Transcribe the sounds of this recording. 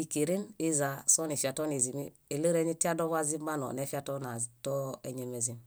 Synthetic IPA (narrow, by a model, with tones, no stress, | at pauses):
i˨ki˨ɾi˦ni˦za˨so˦ni˨fi˨a˨to˦ni˨zi˨mi˦ | e˨lə˦ɾe˦ɲi˦ti˦a˦do˦βa˦zi˦mba˦no̰˨ne˦fi˦a˦tona˨to˦e˨ɲe˨me˨zim